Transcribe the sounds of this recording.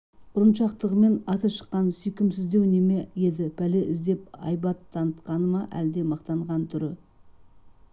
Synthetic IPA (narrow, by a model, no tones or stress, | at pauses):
bʊɾənʃɑqt̪əʁəme̞nɑt̪əʃə̥qːɑnsʏjkʲɪmsɪzd̪e̞wneme̞je̞d̪ɪpʰæleʔɪzd̪e̞p̚ɑ̰jbɑt̪ʰːɑnət̪qɑnəmɑʔæ̰ld̪e̞mɑqt̪ɑɴʁɑnt̪ʰʏɾɪ